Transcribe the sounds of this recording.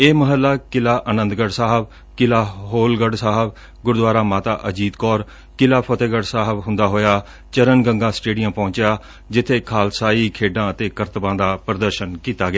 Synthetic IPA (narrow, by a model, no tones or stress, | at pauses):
eːməɦəlːaːkɪlaːʔənə̃nd̪ɡəɖsaːɦəb | kɪlaːɦoːlɡəɖsaːɦəb | ɡʊɾd̪ʋaːɾaːmaːt̪a̰ːʔəd͡ʒiːd̪kɔːɾ | kɪlaːpʰət̪eːɡəɖsaːɦəbɦʊ̃nd̪aːɦoːjaː | t͡ʃəɾənɡəŋɡãːsʈeːɖijə̃ːpɔ̃ːt͡ʃɪjaː | d͡ʒɪt̪ʰːeːkʰaːlsaːiːkʰeːɖãːət̪eːkəɾt̪əbãːd̪aːpɾəd̪əɾʃənkiːt̪aːɡɪjaː